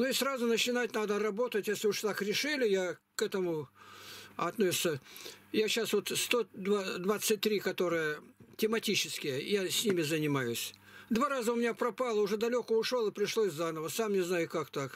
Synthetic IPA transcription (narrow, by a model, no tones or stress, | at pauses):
nʊɪsrazʊnət͡ɕɪnatʲnad̪ərɐbo̞t̪ətʲjesʲlʲɪʊʂt̪akɾʲɪʂɨlʲɪjakɛt̪əmʊ | ɐt̪nosʲɪ̥t̪səjaɕasvo̞t̪st̪od̪vad̪vat̪sɨt̚ʲt̪ɾʲikɐt̪o̞ɾɨjətʲɪmɐtʲit͡ɕɪskʲɪjəjasʲnʲimʲɪzənʲɪmajʊsʲ | d̪vaɾazəʊmʲɪnʲapɾɐpalˠəʊʐɛd̪ɐlʲokəʊʂlolˠɨpɾʲɪʂlˠoɪzːanəvəsamnʲɪznajʊkakt̪ak